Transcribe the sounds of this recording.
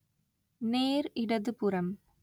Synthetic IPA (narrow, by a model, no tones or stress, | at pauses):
neːɾɪɽɐðɯpʊɾɐm